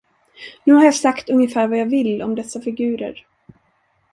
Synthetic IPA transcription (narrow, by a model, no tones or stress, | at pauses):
nʉ̟ːhaɾjɑːsakt̪ɵŋjəfæːɾvajɑːvɪlːɔmd̪ɛsːafɪɡʉ̟ːɾə̰ɾ